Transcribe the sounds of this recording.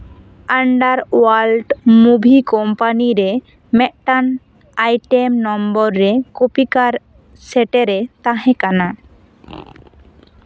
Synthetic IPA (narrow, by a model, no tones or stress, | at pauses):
aɳɖaɾwalɖmubʱikɔmpaniɾe | mɛʔʈan | ajʈemnɔmbɔɾːekopikaɾ | seʈeɾet̪aɦẽkana